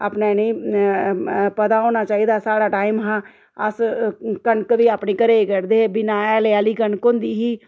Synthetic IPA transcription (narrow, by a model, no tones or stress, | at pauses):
a̰ːpnanei | pət̪aːoːnaːt͡ʃaːiːd̪aːsaːɽaːʈaːiːmɦãː | əskəɳkʋiːaːpneːkəɾeːkəɽd̪eːbɪnaːjaːleaːliːkəɳkond̪iːɦiː